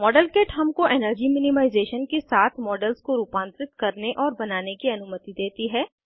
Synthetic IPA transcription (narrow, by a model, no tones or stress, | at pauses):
mɔːɖəlkeːʈɦɐmkoʔeːnəɾd͡ʒimɪnɪmaːɪzeːʃənkesaːt̪ʰmɔːɖəlskoɾuːpãːnt̪ɾɪt̪kɐɾneʔɔːɾbɐnaːnekiɐnʊmət̪id̪eːt̪iɦɛː